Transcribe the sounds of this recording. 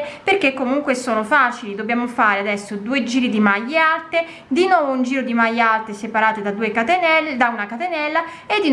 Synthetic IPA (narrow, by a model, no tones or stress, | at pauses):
perkekːomuŋkwesoːnofaːt͡ʃilid̪obːjaːmofaːɾead̪ɛsːod̪uːed͡ʒiːɾid̪imajːealt̪e | d̪inwɔːvound͡ʒiːɾod̪imajalt̪esepaɾaːt̪ed̪ad̪uːekat̪enɛld̪aunakat̪enɛlːa | ed̪ːi